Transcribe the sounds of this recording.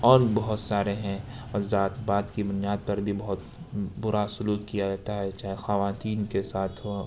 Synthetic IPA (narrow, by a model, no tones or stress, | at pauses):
ɔːɾbɔɦʊt̪saːɾeɦɛ̃ | ɔɾzaːt̪baːd̪kibʊnijaːd̪̚pɐɾbʱibɔɦʊt̪bʊɾasʊluːkkijad͡ʒaːt̪aɦɛt͡ʃaːɦexɐʋaːt̪iːnkesaːt̪ʰɦ